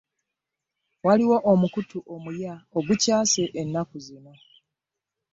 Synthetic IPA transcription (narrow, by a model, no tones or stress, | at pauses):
waliwo̞ʔomukutuʔo̞mujaoɡucaːse̞ʔenːakuzino̞